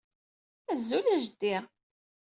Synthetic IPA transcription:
æzːulæʒd̪iʁ

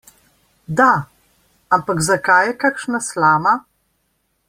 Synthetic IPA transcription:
d̪a | ampaɡzakajɛkakʃnaslaːma

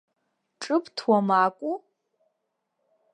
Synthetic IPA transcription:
ʈ͡ʂʼɨptʰwamaːkʷʼu

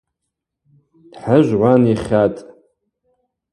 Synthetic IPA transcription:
d̥ħaʒʷʁʷaniχʲatʼ

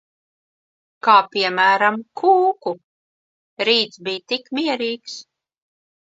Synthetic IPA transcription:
kaːpʲiɛmæːɾamkʰuːku | ɾiːt̪sbijt̪ikmʲiɛɾiːks

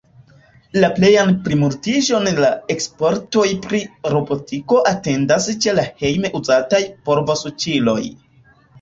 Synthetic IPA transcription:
laple̞janpɾimuɾtiʒo̞nlae̞kspo̞ɾto̞jpɾiɾo̞bo̞tiko̞ʔate̞ndast͡ʃe̞lahe̞jme̞ʔuzatajpo̞ɾvosut͡ʃilo̞j

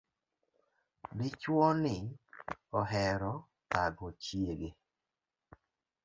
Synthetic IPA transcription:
dɪt͡ʃwɔnɪ | ɔɦɛɾɔ | taɡɔt͡ʃjeɡe

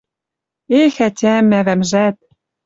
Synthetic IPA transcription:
exætʲæmːævæmʒæt̪̚

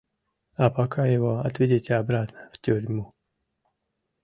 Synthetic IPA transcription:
apɐkʰajɪvoɐ̰t̪vʲedʲetʲɪabɾat̪nəftʲuɾʲmu

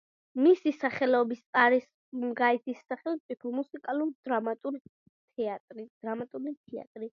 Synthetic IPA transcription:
misisaχɛlɔbist̪sʼaɾis | mɡaɛt̪ʰisːaχɛlʼipʰɔmusikʼaluɾd̪ɾamat̪ʼuɾ | t̪ʰɛat̪ʼɾid̪̥ɾamat̪ʼulit̪ʰia̰t̪ʼɾi

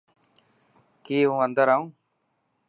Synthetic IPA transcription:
kiːɦũːənd̪əɾaːũː

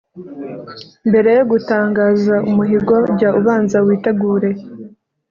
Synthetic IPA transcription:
mbe̞ɾe̞joɡutaːŋɡaːzaʔumuɦiɡo̞ɟauβaːnzawiːte̞ɡuːɾe̞

